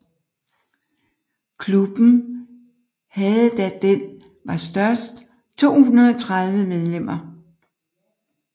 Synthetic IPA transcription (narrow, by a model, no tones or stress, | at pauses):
kʰlub̥n̩ | hɛð̩ˠd̥æd̥en | ʋɑ̈sd̥ɶɐsd̥ | t͡sʰo̝̰ːhunɐðˠɒt͡sʰʁað̞ˠʋəmeð̞ˠlem̰ɐ